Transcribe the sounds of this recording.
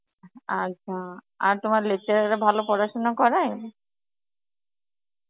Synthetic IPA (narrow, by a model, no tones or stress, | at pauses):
aɕʰa | a̰ɾt̪omaɾlet͡ɕeɾaɾabʱalopɔɾaʃonakɔɾae